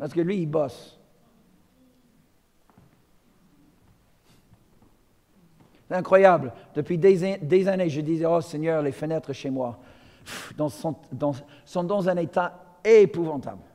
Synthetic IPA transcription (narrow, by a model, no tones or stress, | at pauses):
paʁsə̥kəlɥiːbɔs | st̪ɛ̃kχwajabld̪̥əpɥied̪ezaneʒəd̪izɛosɛɲœʁlefənɛt̪χəʃemwa | fd̪ɑ̃sɔ̃d̪ɑ̃ | sɔ̃d̪ɑ̃zɛ̃net̪a | epuvɑ̃t̪a̰bl